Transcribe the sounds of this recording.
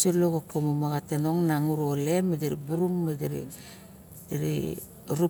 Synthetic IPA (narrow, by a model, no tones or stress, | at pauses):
eloɡokomomaɡatenoŋnaŋuɾolemːedeɾibuɾumːadeɾḭ | deɾḭ | ɾu